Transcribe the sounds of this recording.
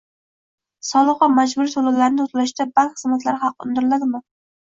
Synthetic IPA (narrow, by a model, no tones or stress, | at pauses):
sɒlˠɨqːɑmad͡ʒbʊɾit̪ʰolˠawlaɾnɪʊt̪ʰlaʃt̪abaŋkʲχɨzmat̪laɾɪχɑqːʊ̰nd̪ɪɾɪlad̪ɪmɪ